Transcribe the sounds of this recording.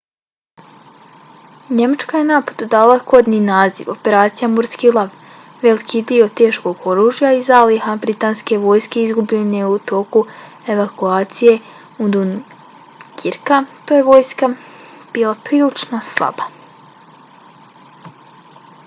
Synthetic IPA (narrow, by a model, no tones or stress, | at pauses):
ɲe̞mat͡ʃkaje̞naːpod̪ud̪aːlˠako̞d̪niːnaːzḭʋope̞ɾaːt̪sijamuɾskilˠaʋ | ʋe̞likʰid̪io̞t̪e̞ːʃko̞ɡo̞ɾuːʒjaizalihabɾit̪aːnske̞ʋo̞ːjske̞izɡubʎeneut̪o̞ːku | eʋakuaːt̪sije̞ | ud̪un | kʰiɾkat̪oje̞ʋo̞ːjska | b̥iːlˠapɾiːlit͡ʃnoslˠa̰ba